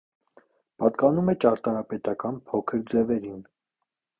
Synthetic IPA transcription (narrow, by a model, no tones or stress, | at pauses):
pɑt̪kɑnumɛt͡ʃɑɾt̪ɑɾɑpɛt̪ɑkɑnpʰɔkʰəɾd͡zɛvɛɾin